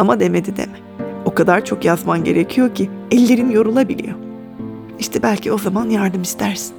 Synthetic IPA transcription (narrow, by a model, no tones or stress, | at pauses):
amad̪e̞med̪id̪ḛmɛ | o̞kad̪aɾt͡ʃʰo̞kjazmanɟe̞ɾe̞cʰijo̞cʰiɛlʲːe̞ɾinjo̞ɾulˠabilʲḭjo̞ | iʃt̪ʰɛbælʲcʰio̞zamanjaɾd̪ɯmist̪ʰæɾsi̥n